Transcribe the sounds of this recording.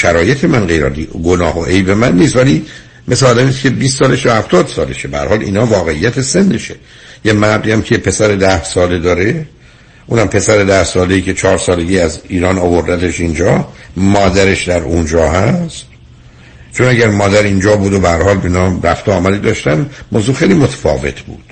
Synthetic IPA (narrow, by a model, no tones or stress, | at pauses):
ʃæɾɒːjet̪ʰe̞mænɢejɾɒ̰d̪iɡonɒːɦoʔejbe̞mænːiːst̪væli | meseɒːd̪æmiːst̪cʰe̞biːst̪sɒːleʃjɒhæft̪ɒːd̪̥sɒːle̞̰ʃebæhæɾhɒːlḭːnɒːvɒːɣe̞ijːæt̪ʰe̞send̪eʃe | jemænb̪d̪iːæmcʰepʰe̞sæɾed̪æhsɒːle̞d̪ɒːɾe | ʔuːnæmpʰe̞sæɾed̪æhsɒːle̞jiːcʰe̞t͡ʃʰɒːɾsɒːle̞ɡiːæziːɾɒːnovoɾd̪æt̪eʃind͡ʒɒːmɒːd̪æɾe̞ʃd̪æɾund͡ʒɒːhæst̪ | t͡ʃʰonæɟæɾmɒːd̪æɾind͡ʒɒːbuːd̪obehæɾhɒːlbenɒːɾæft̪oɒːmæd̪iːd̪ɒːʃt̪ænmoːzuːxejlimot̪ʰæ̥fɒ̰ːve̞̰t̪ʰbṵːd̪̥